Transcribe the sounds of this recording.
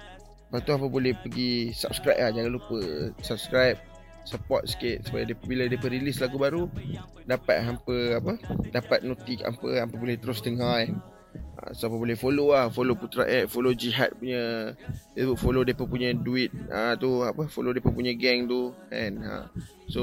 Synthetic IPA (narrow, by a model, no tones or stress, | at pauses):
pat̪uapəbolɛhpəɡisa̰p̚skɾap̚lahd͡ʒaŋanlupəsap̚skɾajp̚ | səpɔ̰t̪̚sket̪̚su̥pajadipbiladiəpəɾilislaɡubaɾu | dapa̰t̪̚ɦampəapədapat̪̚not̪ika̰mpə̰ampəbolɛht̪əɾʊsd̪əŋaɛn | a̰soapəbolɛhfoloahfoloput̪ɾa̰ʔəfolod͡ʒiɦa̰t̪̚puɲədasəbʊʔfolodiəpəpuɲə̃duit̪̚ət̪uapəfolodiepəpuɲə̃ɡɛŋt̪uɛ̰̃na̰ | so